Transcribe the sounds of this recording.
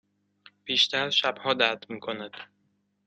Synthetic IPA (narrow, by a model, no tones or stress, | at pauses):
b̥iːʃt̪æɾʃæbhɒːd̪æt̪miːkʰonæd̪̥